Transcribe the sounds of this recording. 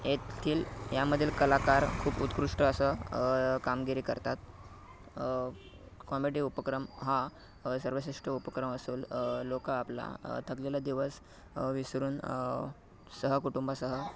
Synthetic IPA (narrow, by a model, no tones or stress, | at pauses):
jet̪ʰiːljaməd̪ʱːjelkəlakaɾkʰuːbut̪kɾuʂʈəəsə | kamɡiɾiːkə̰ɾt̪at̪̚ | kɔmiɽiːupəkɾəmɦa | səɾʋəɕeʂʈəupəkɾəməsuːllokaapla̰t̪ʰəklelad̪iʋəs | ʋisɾuːn | səɦəkuʈumbasəɦə